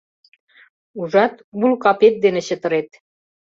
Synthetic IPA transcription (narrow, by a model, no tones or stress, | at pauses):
uʒɑt̪bulkɑpet̪̚d̪enĕɕə̆t̪ə̆ɾet̪̚